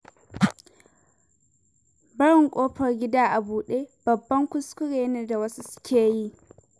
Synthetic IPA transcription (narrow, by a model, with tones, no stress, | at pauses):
bɐ˦ɽɪ˨ŋkʷʼoː˦ɸɐ˨rɡʲɪ˦daː˦ʔa˨buː˨ɗeː˦b̥ɐ˨bːɐ˦ŋkʷʊ˦skʷʊ˦ɽeː˨˦neː˦da˨wɐ˦su˦sʊ̥˦kʲeː˨ji˦˨ʔ